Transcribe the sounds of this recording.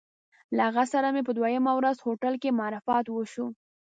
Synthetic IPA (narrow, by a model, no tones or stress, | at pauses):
laaɣasaɾamepəd̪wajəmawɾazhoʈalkemɑɾɪfɑt̪wəʃu